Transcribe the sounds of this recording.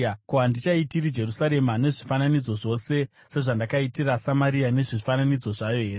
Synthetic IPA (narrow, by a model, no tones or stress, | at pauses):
kuɦandit͡ʃaitirid͡ʒe̞rusaɾe̞mane̞ʐifananid͡zo̞ʐo̞se̞ | se̞ʐandakaitirasamaɾiane̞ʐifananid͡zo̞ʐajo̞ɦe̞ːre